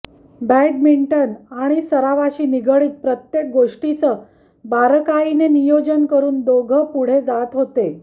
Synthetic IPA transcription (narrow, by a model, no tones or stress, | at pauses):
bɛɖmiɳʈənaɽ̃isəɾaʋaɕiːniɡʱəɭiːt̪̚pɾət̪jek̚ɡoʂʈit͡sə | baɾkainenijod͡ʑənkəɾuːnd̪oɡʱəpuɽ̤ed͡zat̪ɦot̪e